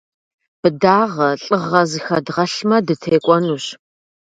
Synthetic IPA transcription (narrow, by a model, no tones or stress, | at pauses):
b̥ɨdaːʁɐɬʼɨʁɐzɨxɐdʁɐɬmɐdɨtʰeːkʷʼɔnuːɕ